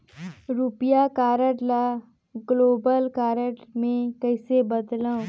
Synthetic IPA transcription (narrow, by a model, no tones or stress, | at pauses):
ɾupjakaːɾəʈla | ɡloːbəlkaːɾəʈmẽkəɪsebəd̪lã